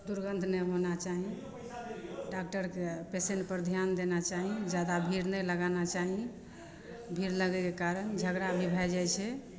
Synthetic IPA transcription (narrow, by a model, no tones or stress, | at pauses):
d̪uɾɡənd̪ʱnəɦonat͡ʃaɦĩ | ɖak̚ʈəɾkepeseɳʈ̚pəɾd̪ʱjand̪enat͡ʃaɦĩd͡ʒjad̪abʱiɾnələɡanat͡ʃaɦĩ | bʱiɾləɡɛkekaɾənd͡ʒʱəɡɾabʱibʱad͡ʒajt͡ʃʰɛ